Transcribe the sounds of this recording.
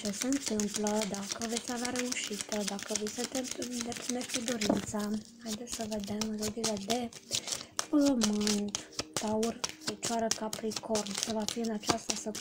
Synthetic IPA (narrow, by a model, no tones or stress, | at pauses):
t͡ʃe̞seɨnt̪ɨmpləd̪akəve̞t̪sʲaveaɾe̞uʃit̪əd̪akəvesənt̪ɨmpd̪ept̪sineʃt̪ed̪oɾint̪sahajd̪esʲsəve̞d̪e̞mːelod̪iled̪e̞ | pəmɨnt̪t̪aurfe̞t͡ʃoaɾəkapɾiko̞rnkəvafiɨnat͡ʃast̪əsə